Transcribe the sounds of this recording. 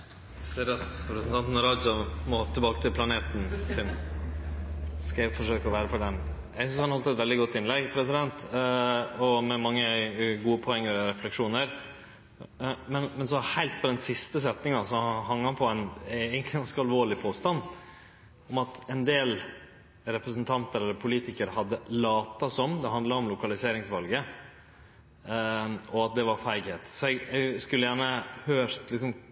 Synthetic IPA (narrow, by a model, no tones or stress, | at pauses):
st̪eːɾɑsɾɛpɾəsn̩t̪ʰɑnt̪nɾɑd̪sɔmɔt̪ʰɪlbɑːkət̪ʰɪlpʰlɑneːt̪nsɪn | skɑfɔʂøːkɔʋæːɾəfɔɖɛnjæɪsʏnshɑnhɔlt̪əɛt̪ʋɛld̪ɪɡɔt̪ːɪnlɛɡpʰɾɛsɪd̪ɛnt̪ | ɔmɛmɑŋːəɡuːəpʰɔɛŋːəɾɔɾɛflɛkʂuːnəɾ | mɛnmɛnsɔhæɪlt̪̚pʰɔd̪ɛnsɪst̪əsɛt̪nɪŋɑsɔɦɑŋːəhɑnpʰɔɛnæɡənt̪lɪɡɑnskəɑlʋoːɭɪpʰoːst̪ɑnː | ɔmɑt̪ɛnd̪eːl | ɾɛpɾəsənt̪ʰɑnt̪əɾɛlːəɾpʰʊliːt̪ɪkəɾhɑd̪ːəlɑːt̪ɑsɔmd̪ɛɦɑnd̪lɑɔmlʊkɑlɪseːɾɪŋsʋɑlɡə | ɔɑt̪̚d̪ɛʋɑɾfæɪɡheːt̪sɔɛɡɛɡskʉlːəjæːɳəhøːɾt̪lɪksɔm